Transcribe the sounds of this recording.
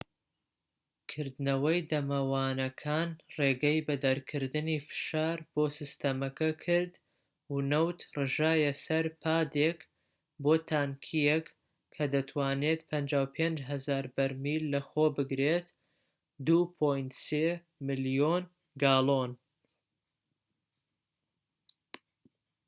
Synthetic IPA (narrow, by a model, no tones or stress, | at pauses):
kʰɨɾd̪nɐwɐjd̪ɐmɐwaːnɐkʰaːnreːɡɐjbɐd̪ɐɾkʰɨɾd̪ɨnifɨ̥ʃaːɾb̥oːsist̪ɐmɐkɐkʰɨɾd̪ | wunɐwt̪rɨʒaːjɐsɐɾpʰaːd̪ek | boːt̪ʰaːŋkʰijek | kʰːɐd̪ɐt̪ʰwaːnet̪pʰɐnd͡ʒaːwpʰend͡ʒɦɐzaːɾbɐɾmilːɐxoːbɨɡɾet̪ | d̪uːpʰojnt̪se | mɨljon | ɡaːlˠon